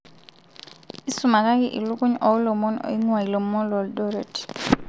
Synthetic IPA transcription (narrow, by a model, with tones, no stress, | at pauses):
i˦su˨ma˨ka˦kɪ˦ʔḭ˨lʊ˦kʊ˦ɲɔ˨˦lo˨mɔ˦n̰˨˦i˦ŋwa˨i˨lo˨mːɔ˦lwɔ˨ldɔ˦ɾe˨t